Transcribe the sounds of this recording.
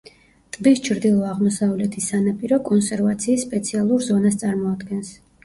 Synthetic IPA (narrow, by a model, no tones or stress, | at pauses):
t̪ʼbist͡ʃʰɾd̪ilˠɔaʁmɔsavlɛt̪ʰisanapʼiɾɔkʼɔnsɛɾvat̪sʰiːsːpʼɛt̪sʰialˠuɾzɔnast̪sʼaɾmɔad̪ɡɛns